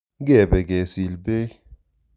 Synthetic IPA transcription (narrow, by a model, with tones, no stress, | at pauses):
ɡɛ˦˨bɛ˨ɡɛ˨si˨lbe˦